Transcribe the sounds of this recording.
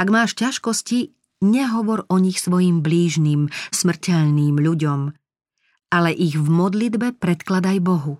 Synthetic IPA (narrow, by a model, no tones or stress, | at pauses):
aɡmaːʃcaʃkɔsci | ɲɛɦɔʋɔɾɔɲixsʋɔjimbliːʒniːmsmr̩cɛʎniːmʎuɟɔm | alɛʔiɣvmɔd̪lid̪bɛpɾɛt̪klad̪ajbɔɦu